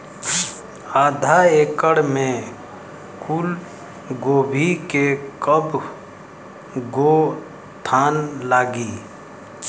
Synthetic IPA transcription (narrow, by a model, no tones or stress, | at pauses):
aːd̪ʱaeːkəɽmẽ | kʊl | ɡoːbʱikekəb | ɡo | t̪ʰaːnlaːɡiː